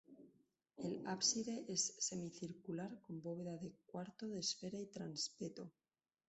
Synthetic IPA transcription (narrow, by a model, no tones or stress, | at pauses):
elapsiðe̞ʔesːe̞miθiɾkulaɾko̞mbo̞βe̞ðaðe̞kwaɾt̪oðesfeɾait̪ɾanspet̪o